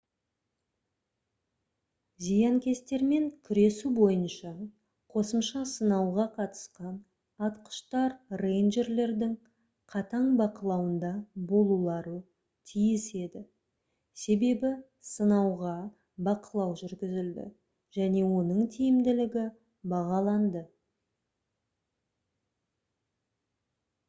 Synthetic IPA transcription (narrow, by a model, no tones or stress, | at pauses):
zijɑŋkʲe̞st̪e̞ɾme̞ŋkʲʰʏɾe̞subo̞jənʃɑ | qʰo̞səmʃɑsənɑwʁɑqʰɑt̪ə̥sqɑn | ɑt̪qə̥ʃt̪ɑɾrejnʒe̞ɾle̞ɾd̪ɪŋ | qʰɑt̪ɑɴbɑqəlˠɑwənd̪ɑbo̞lˠulˠɑɾə | t̪ʰijɪse̞d̪ɪ | se̞be̞bɪ | sənɑwʁɑ | bɑqəlˠɑwʒʏɾɡʲɪzɪld̪ɪ̰ | ʒ̥æne̞wo̞nəɴt̪ʰijɪmd̪ɪlɪɡʲɪ | bɑʁɑlˠɑnd̪ə